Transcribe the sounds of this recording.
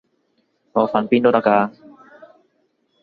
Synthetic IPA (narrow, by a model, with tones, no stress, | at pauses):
ŋɔː˨˧fa˨˧npiː˥˩nd̪o˥t̪a˥˧˩kaː˧